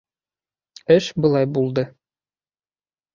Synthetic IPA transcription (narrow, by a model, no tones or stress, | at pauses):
ɘʃbɤ̆lˠɑjbulˠd̪ɤ